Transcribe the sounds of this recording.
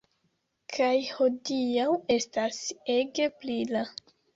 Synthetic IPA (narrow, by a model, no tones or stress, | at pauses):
kʰajho̞diawe̞stase̞ɡe̞plila